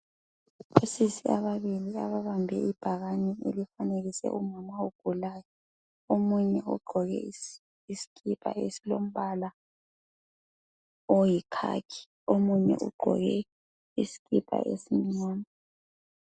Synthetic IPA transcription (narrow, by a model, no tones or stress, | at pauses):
osisia̰βaβilia̰βaβambʱɛ̰ib̥ʱaɣanɛḛlifaneɣisɛ̰ʔumamaoɡ̥ʱulaːjɔ | omuɲɛṵɡ͡ǃʱɔɣɛ̰ | isi̥kʰʼipʰʼa̰ḛsilom̩βala | ɔjikʰa̰kʰi̥ | omuɲɛ̰ʔṵɡ͡ǃʱɔ̰ɣɛ | isi̥kʼipʰʼa̰ʔḛsim̩ɲɔːma